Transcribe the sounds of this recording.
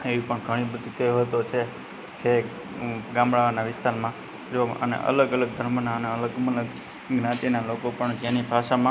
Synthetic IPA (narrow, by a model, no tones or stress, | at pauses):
eʋipəɳɡʱəɽ̃ibəd̪ʱikəjoɦət̪ot͡ʃʰe | t͡ʃʰe | ɡãmbɭaʋanaʋɪst̪aɾmã | d͡ʒoə̰nḛʔə̰ləɡələɡ̚d̪ʱəɾmənaəneələɡmələɡ | ɡnãt̪inalokopəɳɡjãnibʱaʃamã